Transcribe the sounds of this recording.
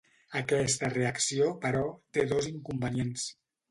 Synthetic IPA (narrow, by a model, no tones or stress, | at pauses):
əkɛst̪əreəksiopəɾɔt̪eðoziŋkumbəniens